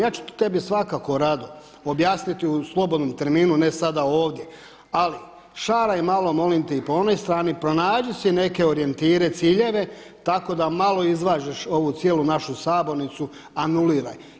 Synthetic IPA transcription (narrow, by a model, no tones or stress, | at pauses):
jaːt͡ʃu̥t̪e̞bisʋakako̞ɾad̪o | objaːsnit̪iuslˠo̞bo̞d̪no̞mt̪e̞ɾmiːnune̞sad̪aoːʋd̪je̞ | ali | ʃaːɾaimalo̞mo̞limt̪eipo̞o̞no̞jst̪ɾaːnipɾo̞naːd͡ʒusine̞ke̞o̞ɾie̞nt̪iːɾe̞t̪siːʎe̞ʋe̞ | t̪ako̞d̪amalˠo̞izʋaːd͡ʑeʃo̞ʋut̪sjelunaʃusaːbo̞ɾnit̪su | anuliːɾa̰j